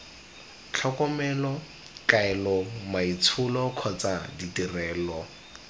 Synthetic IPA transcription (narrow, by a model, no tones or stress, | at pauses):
t͡ɬʰɔkɔmɛlɔ | kaɛlɔmait͡sʰʊlɔkʰɔt͡saditirɛːlɔ